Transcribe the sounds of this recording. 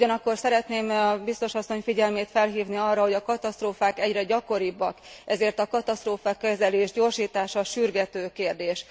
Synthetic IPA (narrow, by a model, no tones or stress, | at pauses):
uɟɒnɒkːo̞rsɛɾɛt̪neːmɒbist̪o̞ʃɒsːo̞ɲfiɟɛlmeːt̪fɛlɦiːvniɒrːɒɦo̞ɟɒkɒt̪ɒst̪roːfaːkɛɟrɛɟɒko̞ɾibːɒkɛzeːrt̪ɒkɒt̪ɒst̪roːfɒkɛzɛleːʒɟoːrʃiːt̪aːʃɒʃyrɡɛt̪øːkeːrd̪eːʃ